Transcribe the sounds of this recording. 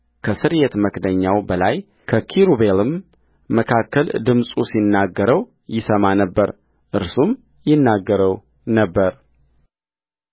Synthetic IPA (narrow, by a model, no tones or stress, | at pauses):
kʰəsɨɾjet̪məkd̪əɲːawbəlaj | kʰəkʰiɾubelɨmː | əkʰakːəld̪ɨmsʼusinːaɡːəɾəw | jɪsəmanəbːəɾ | ʔɨɾsum | jɪnːaɡːəɾəw | nəbːəɾ